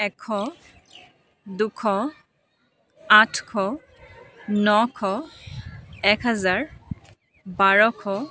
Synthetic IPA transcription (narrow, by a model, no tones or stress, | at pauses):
ɛkʰːɔ | dukʰɔ | atʰkʰɔ | nɔkʰɔ | ɛkɦazaɹ | baɹɔkʰɔ